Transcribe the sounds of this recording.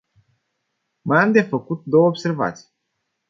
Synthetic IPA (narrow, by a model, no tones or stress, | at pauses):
məamd̪e̞fəkut̪̚d̪o̞wəobse̞rva̰t̪si̥j